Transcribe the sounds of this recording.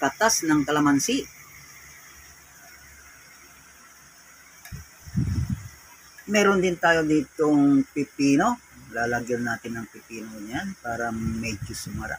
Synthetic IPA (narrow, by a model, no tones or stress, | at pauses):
kat̪asnaŋt̪alamansi | meɾund̪int̪ajodit̪uŋpipinolalaɡirnat̪inaŋpipinoɲanpaɾamed͡ʒusumaɾa̰